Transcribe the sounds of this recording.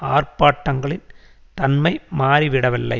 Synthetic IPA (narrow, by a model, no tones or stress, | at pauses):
aːrpaːʈːɐŋɡɐɭɪn | t̪ɐnmɐɪmaːɾiʋɪɽɐʋɪlːɐ̰ɪ